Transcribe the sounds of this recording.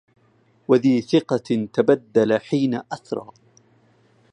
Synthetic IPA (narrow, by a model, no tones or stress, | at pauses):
waðiːθɪqɑt̪abad̪ːalaħiːnaʔaθɾˤɑ̰ː